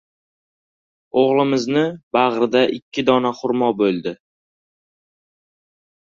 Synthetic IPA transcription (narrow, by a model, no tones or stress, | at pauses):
oʁlˠɪmɪznɪbɑʁɾɪd̪aʔɪkʲʰːɪd̪ɒnaχʊɾmɒbolˠd̪ɪ